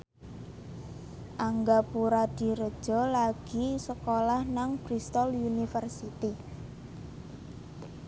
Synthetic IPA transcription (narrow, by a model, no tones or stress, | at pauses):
ʔaŋɡapuɾad̪̥i̤ɾəd̥ʒ̥ɔ̤laɡ̥i̤səkolahnaŋpɾist̪ɔlunifərsit̪i